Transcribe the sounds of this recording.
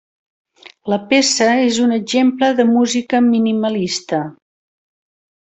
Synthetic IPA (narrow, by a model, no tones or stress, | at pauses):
ləpesəezunəʒempləðəmuzikəminiməlist̪ə